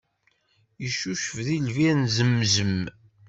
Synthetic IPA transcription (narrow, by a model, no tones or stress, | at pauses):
jəʃːuʃəvðilvinzəmːzəm